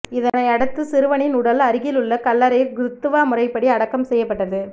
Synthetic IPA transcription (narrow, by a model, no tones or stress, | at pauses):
ɪðɐnɐɪɐɽɯt̪ːɯsɪɾɯʋɐɳɪnʊɽɐlɐɾɪɣɪlɯɭːɐkɐlːɐɾɐjɡɾɯt̪ːɯʋaːmʊrɐɪpːɐɽiɐɽɐkːɐmsɛjːɐpːɐʈːɐðɯ